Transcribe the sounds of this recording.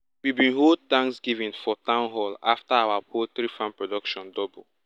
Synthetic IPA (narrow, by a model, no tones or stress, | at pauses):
wibĩnɦold̚tãŋksɡivɛ̃nfɔtãʊ̃nɦɔlaftaawapʰotɾifãnpɹɔdɔkʃɔ̃ndɔbul